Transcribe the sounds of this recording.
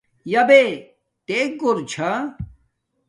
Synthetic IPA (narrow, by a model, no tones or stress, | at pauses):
jɐbe | t̪eɡoɾt͡ɕʰɐ